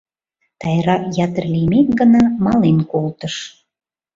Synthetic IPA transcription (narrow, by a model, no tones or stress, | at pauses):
t̪ɑjɾɑkjɑt̪ərlʲimet̪ɡənɑmɑlenkolt̪əʃ